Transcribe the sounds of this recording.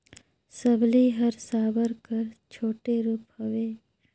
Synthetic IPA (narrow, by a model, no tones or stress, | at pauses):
səbliɦɐɾsaːbəɾkəɾt͡ʃʰoːʈeɾuːphɐweː